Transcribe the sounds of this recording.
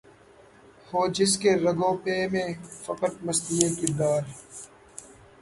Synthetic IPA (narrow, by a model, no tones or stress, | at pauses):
hoːd͡ʒɪs̬keːɾəɡõːpeːmẽːfɐkəʈ̪̚məst̪iːeːkɪd̪aːɾ